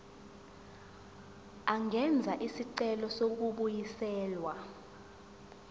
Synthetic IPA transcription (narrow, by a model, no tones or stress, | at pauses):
aŋʱɛnd͡zʱaʔisiǀɛlɔsok̬uɓujisɛːlwa